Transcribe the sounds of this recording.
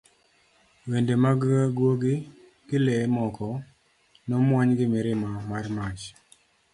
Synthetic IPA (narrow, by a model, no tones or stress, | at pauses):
wendemaɡɡwoɡɪ | ɡ̥ɪlemɔkʰɔ | nɔmwaɲɡɪmɪɾɪmamarmat͡ʃ